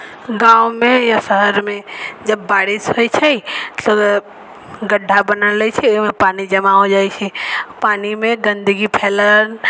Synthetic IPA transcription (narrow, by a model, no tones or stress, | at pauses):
ɡaːwmẽjaʃəɦəɾmẽd͡ʒɐbːaːɽɪshoit͡ʃʰɛit̪o | ɡəɖʱːabənəleit͡ʃʰɛmẽpaːnid͡ʒɐmaɦod͡ʒaːit͡ʃʰɛpaːnimẽɡə̃nd̪əɡipʰɛːlən